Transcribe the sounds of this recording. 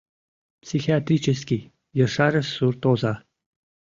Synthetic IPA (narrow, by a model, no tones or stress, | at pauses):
psʲixʲiat̪ɾʲit͡ɕɘ̆sʲkʲi | jɤ̆ʂɑɾʲɘ̆surt̪ozɑ